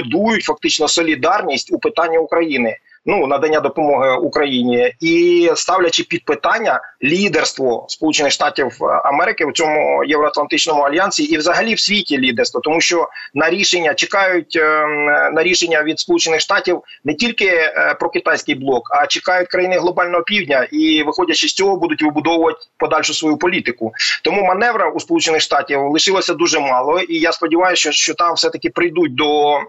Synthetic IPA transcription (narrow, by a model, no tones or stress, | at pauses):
d̪ujʊtʲfɐk̚t̪ɪt͡ʃnɔsɔlʲid̪ɑrnʲisʲtʲupɪt̪ɑnʲːɐukɾɐjinɪ | nunɐd̪ɐnʲːad̪ɔpɔmɔɦɪukɾɐjinʲiist̪ɑwlʲɐt͡ʃɪpʲid̪̚pɪt̪ɑnʲːɐlʲid̪erst̪ʋɔspɔlˠut͡ʃenɪxʃt̪ɑtʲiwɐ̰mɛɾɪkɪwt͡sʲɔmʊjewɾɔɐt̪lˠɐnt̪ɪt͡ʃnɔmʊɐlʲjɑnʲsʲiːwzɐɦɐlʲiwsʲʋʲitʲilʲid̪erst̪ʋɔt̪ɔmuʃt͡ʃɔnɐɾʲiʃenʲːɐt͡ʃekɑjʊtʲ | nɐɾʲiʃenʲːɐʋʲid̪spɔlˠut͡ʃenːɪxʃt̪ɑtʲiw | nɛtʲilʲkɪpɾɔkɪt̪ɑjsʲkɪjblˠɔkɐt͡ʃɪkɑjʊt̚ʲkɾɐjinɪɦlˠɔbɑlʲnɔɦɔpʲiwdʲnʲɐʔiʋɪxɔdʲɐt͡ʃɪsʲt͡sʲɔɦɔbud̪ʊtʲʋɪbʊd̪ɔwʊʋɐt̚ʲpɔd̪ɑlʲʃʊsʋɔjupɔlʲit̪ɪkʊt̪ɔmumɐnɛʋɾɐuspɔlˠut͡ʃenɪxʃt̪ɑtʲiwlˠɪʃɪlˠɔsʲɐd̪uʒɛmɑlˠɔijaspɔdʲiʋɑjʊst͡ʃɔʃt͡ʃɔt̪ɑmwsɛt̪ɐkɪpɾɪjd̪ut̚ʲd̪ɔ